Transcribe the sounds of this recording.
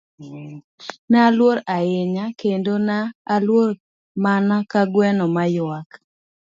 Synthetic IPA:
nalwoɾaɪɲakendonaːlwoɾ | manakaɡwɛnɔmajak

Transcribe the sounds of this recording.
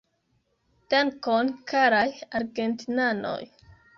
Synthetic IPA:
taŋkonkaɾajaɾɡentinano̰j

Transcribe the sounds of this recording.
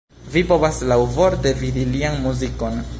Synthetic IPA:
vipo̞vaslawvo̞ɾtevid̪ilianmuziko̞n

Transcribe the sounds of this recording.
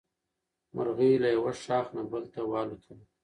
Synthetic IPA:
maɾɣilajawaʂɑːxnabəlt̪awɑːlut̪ʰəl

